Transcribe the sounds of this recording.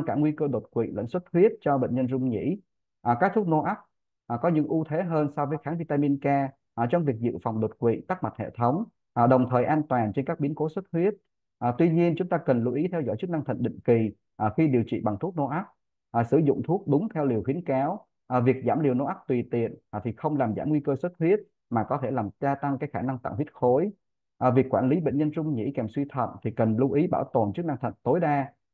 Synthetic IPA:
ŋkaː˧˩ŋwi˧kəː˧ɗo˨˩t̚kwḭ˧˨lə̰˧˥jŋswə˦˥t̚hwi˦˥ət̚t͡ɕɔ˧ɓḛ˧˨ŋ̟ɲə˧nzʊ˧ŋ͡mɲḭ˧˥ | ʔkaː˦˥k̚t̪ʰu˦˥k̚no˧ʔaː˦˥p̚ː | kɔ˨˦ɲɨ̰˧˥ŋʔu˧t̪ʰe˨˦ɦəː˧nsɔ˧vəː˨˦jxaː˨˦ŋvi˧t̪aː˧mi˧nkaː˧˨˩ | t͡ɕɔ˧wŋ͡mvi˨˩ək̚zɨ̰˧˨fa˨˩wŋ͡mɗo˨˩t̚kwḭ˧˨t̪a˦˥k̚ma˨˩t̚hḛ˧˨t̪ʰə˨˦wŋ͡m | ɗə˨˩wŋ͡mt̪ʰəː˨˩jʔaː˧nt̪waː˨˩nt͡ɕe˧nkaː˦˥k̚ɓi˨˦ənko˨˦swə˦˥t̚hwi˦˥ət̚ | ʔt̪wi˧ɲi˧ənt͡ɕʊ˨˦ŋ͡mt̪aː˧kə˨˩nlu˨˦ʔi˨˦t̪ʰɛ˧wzɔ̰˧˩jt͡ɕɨ˦˥k̚na˧ŋt̪ʰə̰˧˨ŋ̟ɗḭ˧˨ŋ̟ki˨˩ | ʔxi˧ɗi˨˩əwt͡ɕḭ˧˨ɓa˨˩ŋt̪ʰu˦˥k̚no˧ʔa˦˥k̚ | ʔsɨ˧˩zʊ̰˧˨ŋ͡mt̪ʰu˦˥ək̚ɗʊ˨˦ŋ͡mt̪ʰɛ˧wli˨˩əwxi˨˦ənkaː˨˦w | ʔvi˨˩ək̚zaː˧˩mli˨˩əwno˧ʔa˦˥k̚t̪wi˨˩t̪ḭ˧˨ən˨˩t̪ʰi˨˩xə˧wŋ͡mlaː˨˩mzaː˧˩mŋwi˧kəː˧swə˦˥t̚hwi˦˥ət̚ | maː˨˩kɔ˨˦t̪ʰe˧˩laː˨˩mzaː˧t̪a˧ŋkaː˨˦˥kxaː˧˩na˧ŋt̪a̰˧˨ŋhwi˦˥ət̚xo˨˦j | ʔvi˨˩əkːwaː˧˩nli˨˦ɓḛ˧˨ŋ̟ɲə˧nt͡ɕʊ˧ŋ͡mɲḭ˧˥kɛ˨˩mswi˧t̪ʰə̰˧˨nt̪ʰi˨˩kə˨˩nlu˧ʔi˨˦ɓaː˧˩wt̪o˨˩nt͡ɕɨ˦˥k̚na˧ŋt̪ʰə̰˧˨nt̪o˨˦jɗaː˧

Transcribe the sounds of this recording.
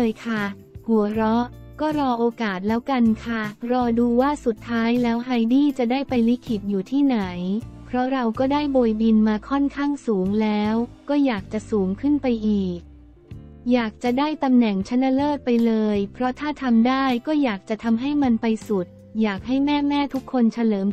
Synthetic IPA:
jkʰa˥˩ | hu˨˩˦əɾɔ˦˥ʔkɔː˥˩ɾɔː˧ʔoː˧kaː˨˩t̪̚lɛː˦˥wka˧nkʰa˥˩ɾɔː˧duː˧waː˥˩su˨˩t̪ʰːaː˦˥jlɛː˦˥wɦa˧jdiː˥˩t͡ɕa˨˩daː˥˩jpa˧jli˦˥kʰi˨˩t̪̚juː˨˩t̪ʰiː˥˩na˩˦jpʰɾɔ˦˥ɾa˧wkɔː˥˩daː˥˩jboː˧jbi˧nmaː˧kʰɔ˥˩nkʰaː˥˩ŋsuː˩˦ŋlɛː˦˥wkɔː˥˩jaː˨˩k̚t͡ɕa˨˩ʔsuː˩˦ŋkʰɯ˥˩npa˧jʔiː˨˩k̚ | jaː˨˩k̚t͡ɕa˨˩daː˥˩jt̪a˧mnɛ˨˩ŋt͡ɕʰa˦˥nːa˧˥lɤː˥˩t̪̚pa˧jlɤː˧jpʰɾɔ˦˥t̪ʰaː˥˩t̪ʰa˧mdaː˥˩jkɔː˥˩jaː˨˩k̚t͡ɕa˨˩t̪ʰa˧mɦa˥˩jma˧npa˧jsu˨˩t̪̚ | jaː˨˩k̚ɦa˥˩jmɛː˥˩mɛː˥˩t̪ʰu˦˥kʰːo˧nt͡ɕʰa˧lɤː˩˦m

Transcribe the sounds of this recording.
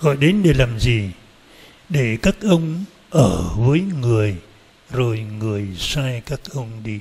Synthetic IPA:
ɣɔ̰˧˨jɗe˨˦nɗe˨˩laː˨˩mzi˨˩ | ɗe˧˩kaː˦˥k̚ʔə˧wŋ͡m | ʔəː˧˩vəː˨˦jŋɨ˨˩əj | zo˨˩jŋɨ˨˩əjsaː˧jkaː˦˥k̚ʔə˧wŋ͡mɗi˧

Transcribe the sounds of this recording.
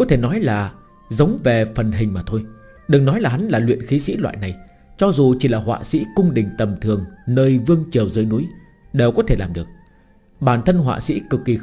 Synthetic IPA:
kɔ˨˦t̪ʰe˧˩nɔ˨˦jlaː˨˩ | zə˨˦wŋ͡mve˨˩fə˨˩nɦï˨˩ŋ̟maː˨˩t̪ʰo˧j | ɗɨ˨˩ŋnɔ˨˦jlaː˨˩ɦa˨˦nlaː˨˩lwḭ˧˨ənxi˨˦sḭ˧˥lwa̰ː˧˨jna˨˩j | t͡ɕɔ˧zu˨˩t͡ɕi˧˩laː˨˩hwa̰ː˧˨sḭ˧˥kʊ˧ŋ͡mɗï˨˩ŋ̟t̪ə˨˩mt̪ʰɨ˨˩əŋnəː˧jvɨ˧əŋt͡ɕi˨˩əwzəː˨˦jnu˨˦j | ɗe˨˩wkɔ˨˦t̪ʰe˧˩laː˨˩mɗɨ˨˩ək̚ | ɓaː˧˩nt̪ʰə˧nɦwa̰ː˧˨sḭ˧˥kɨ˨˩kːi˨˩

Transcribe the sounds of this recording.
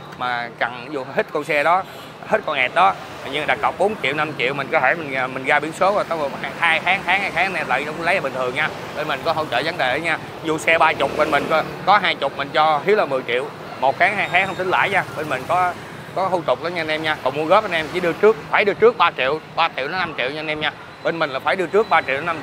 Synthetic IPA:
maː˨˩t͡ɕa˨˩ŋzu˨˩hi˦˥t̚kɔ˧nsɛ˧ɗɔ˨˦ | he˦˥t̚kɔ˧nʔɛ˨˩t̚ɗɔ˨˦ | a̰˨jɲi˧˨ɗa˨˩k̚kə˨˩k͡p̚ɓo˨˦nt͡ɕḭ˧˨əwna˧mt͡ɕḭ˧˨wmi̟˨˩kɔ˨˦tʰe˧˩mï˨˩ŋː˨˩mï˨˩ŋ̟ɣaː˧ɓi˨˦ənso˨˦zo˨˩jt̪a˨˦˨a˧haː˧jxaː˨˦ŋxaː˨˦ŋhaː˧jxaː˨˦˥nɛ˧˩la̰ː˧˨jɗə˧wlə˦jaː˨˩ɓï˨˩ŋt̪ʰɨ˨˩əŋɲaː˧ | ɓe˧nmi˨˩ŋ̟kɔ˨˦ɦə˧wt͡ɕə̰ː˧˨˩və˨˦ŋɗe˨˩ʔə˨˦ɲaː˧ | zu˨˩sɛ˧ɓaː˧t͡ɕʊ˨˩k͡p̚ɓe˧nmï˨˩ŋ̟kɔ˨˦kɔ˨˦ɦaː˧jt͡ɕʊ˨˩k͡p̚mï˨˩ŋ̟t͡ɕɔ˧hi˨˦˥əwlaː˨˩mɨ˨˩əjt͡ɕḭ˧˨əw | mo˨˩t̚xaː˨˦ŋɦaː˧jxaː˨˦ŋhə˧wŋ͡mt̪ï˨˦ŋla̰ː˧˨jɲaː˧ɓe˧nmï˨˩ŋ̟kɔ˨˦ | kɔ˨˦hu˧t̪ʊ˨˩k͡p̚ɗa˨˦ɲaː˧nɛ˧mɲaː˧kɔ˨˩ŋ͡mmu˧əɣəː˦˥p̚ʔa˧nʔɛ˧mt͡ɕḭ˧˩˦ɗɨ˧ət͡ɕɨ˦˥ək̚faː˧˩jɗɨ˧ət͡ɕɨ˦˥ək̚ɓaː˧t͡ɕḭ˧˨əwɓaː˧t͡ɕḭ˧˨wnɔ˨˦na˧mt͡ɕḭ˧˨əwɲa˧nɛ˧mɲaː˧ | ɓe˧nmï˨˩ŋ̟laː˨˩faː˧˩jɗɨ˧ət͡ɕɨ˦˥ək̚ɓaː˧t͡ɕḭ˧˨wnɔ˨˦na˧

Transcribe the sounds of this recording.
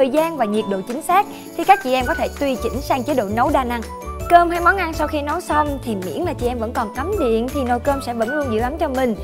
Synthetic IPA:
əː˨˩jzaː˧nvaː˨˩ɲi˨˩ət̚ɗo̰˧˨t͡ɕï˨˦ŋ̟saː˦˥k̚ | t̪ʰi˨˩kaː˦˥k̚t͡ɕḭ˧˨ʔɛ˧mkɔ˨˦t̪ʰe˧˩t̪wi˧t͡ɕï˧˩ŋ̟saː˧ŋt͡ɕe˨˦ɗo̰˧˨nə˨˦wɗaː˧na˧ŋ | kəː˧mɦa˧jmɔ˨˦nʔa˧nsa˧wxi˧nə˨˦wsə˧wŋ͡mt̪ʰi˨˩mḭ˧˥ənlaː˨˩t͡ɕḭ˧˩ʔɛ˧mvə̰˧˥nkɔ˨˩nka˨˦mzḭ˧˨ənt̪ʰi˨˩no˨˩jkəː˧msɛ̰˧˥və̰˧˥nlu˧nzɨ̰˧˥əʔa˨˦mt͡ɕɔ˧mï˨˩ŋ̟

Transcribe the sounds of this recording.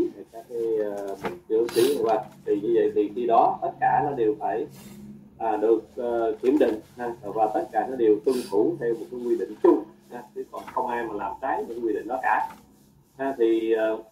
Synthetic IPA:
vkaː˦˥kːa˨˦jmə˨˩t͡ɕɨ̰˧˩ət͡ɕi˧˦nʔə̰˧˩wa˨˩k̚t̪ʰi˨˩ɲɨ˧zə̰˧˨jt̪i˨˩ənɗi˧ɗɔ˨˦t̪ə˦˥t̚kaː˧˩nɔ˨˦ɗe˨˩wfaː˧˩j | ʔəː˨˩ɗɨ˨˩ək̚əː˨wḭ˧˩ənɗḭ̈˧˨ŋ̟ha˧˨vaː˨˩t̪ə˦˥t̚kaː˧˩nɔ˨˦ɗe˨˩wt̪ɨ˧ŋt̪ʰu˧˩t̪ʰɛ˧wmo˨˩t̚kːa˨˦jkwi˧ɗḭ̈˧˨ŋ̟t͡ɕu˧ŋ͡mha˧t͡ɕɨ˨˦kɔ˨˩nxə˧wŋ͡mʔaː˧jmaː˨˩laː˨˩mt͡ɕaː˨˦j̚mo˨˩kːa˨˦wi˧ɗḭ˧˨ŋ̟ɗɔ˨˦kaː˧˩ | ha˧t̪ʰi˨˩əː˨˩

